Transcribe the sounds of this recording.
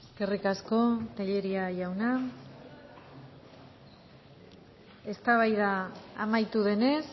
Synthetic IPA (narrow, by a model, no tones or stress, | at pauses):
eske̞rikasko̞t̪eʎe̞ɾiaʝawna | e̞st̪aβ̞ajðaːmajt̪uðe̞ne̞s